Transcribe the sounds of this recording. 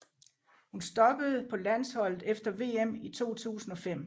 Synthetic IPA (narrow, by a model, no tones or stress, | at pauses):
hunsd̥ɒ̽b̥əð̞̩ˠpʰɒ̽læn̰shɒ̽l̰ð̩ˠefd̥ɐʋe̝̰ːemit͡sʰo̝̰ːt͡sʰṵːsn̩ɒ̽fem̰